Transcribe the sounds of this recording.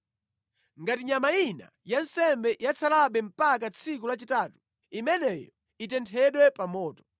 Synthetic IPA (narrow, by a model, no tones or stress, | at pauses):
ŋɡatiɲamaina̰jan̩sɛmbɛjat͡sʰalaɓɛm̩pak̬at͡sʰikulat͡ʃitaːtu | imɛnɛjɔ | itɛntʰɛɗwɛpamɔːtɔ̥